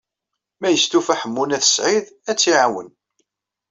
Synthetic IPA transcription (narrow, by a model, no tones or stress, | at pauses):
mæjəst̪ufæħəmːunæθə̥sʕiðæt͡sːiʕawə̰n